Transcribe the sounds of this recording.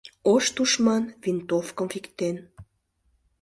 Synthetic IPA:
oʃt̪uʃmɑnvint̪ofkə̆mfikt̪en

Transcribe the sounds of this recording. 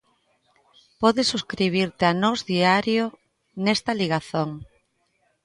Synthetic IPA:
pɔðɪsuskɾiβ̞iɾt̪eanɔzðiaɾjo | nɛst̪ɐliɣaθoŋ

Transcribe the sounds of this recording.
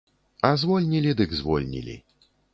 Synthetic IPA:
azvɔlʲnʲilʲid̪ɨɡzvɔ̰lʲnʲḭlʲḭ

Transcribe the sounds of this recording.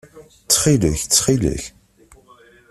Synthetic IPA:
t͡sːχilə̰çt͡sːχilə̰ç

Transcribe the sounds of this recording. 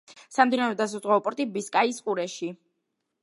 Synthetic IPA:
samd̪inaɾɛd̪as̬azʁaɔpʼɔɾt̪ʼibiskʼaisqʼuɾɛʃi

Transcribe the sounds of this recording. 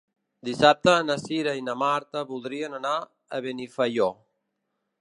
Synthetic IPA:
d̪isap̚t̪əːnəsiɾəinəmaɾt̪əβulˠd̪ɾiənəna | ə̰βenifəjo

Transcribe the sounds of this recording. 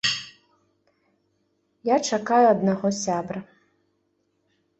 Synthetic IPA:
jat͡ʂakajuɐd̪naɣɔsʲabɾɐ

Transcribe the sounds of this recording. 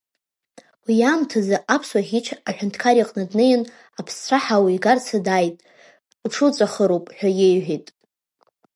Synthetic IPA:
wijamtʰazaʔapʰswaχiʈ͡ʂʰaħʷᶣʊntʰkʰaɾiqʼnadnɨjɪn | apʰst͡ɕʷʰaħawiiɡart͡sʰadajtʼ | ʈ͡ʂʰɨt͡sʷʼaχəɾowpʼħᶣajejʕʷᶣitʼ

